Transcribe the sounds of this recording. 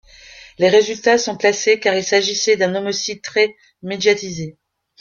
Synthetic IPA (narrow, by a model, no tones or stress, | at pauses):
leʁezylt̪asɔ̃plasekaʁilsaʒisɛd̪ɛ̃nɔmɔsid̪̚t̪χɛ | med̪jat̪ize